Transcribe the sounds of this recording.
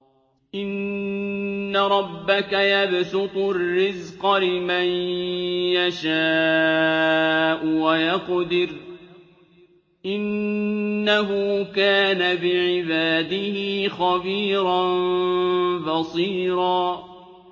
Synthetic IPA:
ʔɪnː | aɾˤɑbːakajabsʊt̪ˤʊrːɪzqɑlɪman | jaʃaː | ʔʊwajɑqd̪ɪɾ | ʔɪnː | aɦʊːkaːnabɪʕɪbaːd̪ɪhixɑbiːɾɑn | bɑsˤiːɾɑː

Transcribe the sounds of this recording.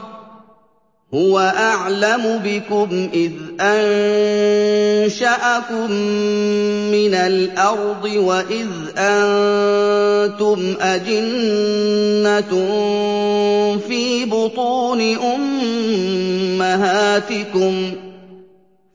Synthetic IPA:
hʊwaʔaʕlamʊbɪkʊmʔɪðʔan | ʃaʔakʊmː | ɪnalʔɑɾˤd̪ˤɨwaʔɪð | ʔan | t̪ʊmʔad͡ʒɪnː | at̪ | fiːbʊt̪ˤuːnɪʔʊm | aɦaːt̪ɪkʊm

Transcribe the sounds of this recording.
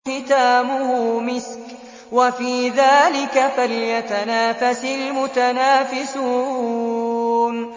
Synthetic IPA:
ɪt̪aːmʊhʊːmɪsk | wafiːðaːlɪkafaljat̪anaːfasɪlmʊt̪anaːfɪsuː | n

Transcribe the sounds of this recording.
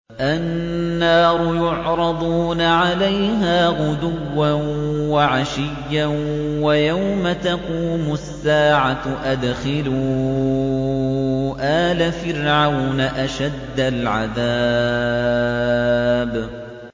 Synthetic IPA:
ʔannːɑːɾʊjʊʕɾˤɑd̪ˤuːnaʕalajɦaːɣʊd̪ʊwːanwaʕaʃɪjːawajawmat̪aquːmʊsːaːʕaʔad̪xɪluː | ʔaːlafɪɾʕawnaʔaʃad̪ːalʕaðaː | b

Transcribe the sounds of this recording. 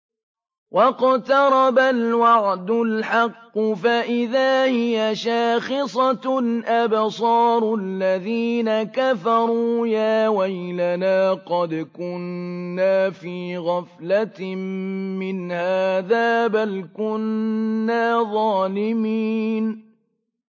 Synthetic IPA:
wʔɑqt̪ɑɾˤɑbalwɑʕd̪ʊlħɑqːʊfaʔɪðaːhɪjaʃaːxɪsˤɑʔabsˤɑːɾˤʊlːaðiːnakafɑɾˤuːjaːwajlanaːqɑd̪kʊnːaːfiːɣaflammɪnhaːðaːbalkʊnːaːðˤɑːlɪmiːn

